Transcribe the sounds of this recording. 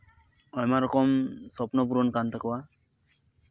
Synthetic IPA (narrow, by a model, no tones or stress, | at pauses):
ɔjmaɾɔkɔmsɔpnɔp̬uɾɔnkant̪əkɔwa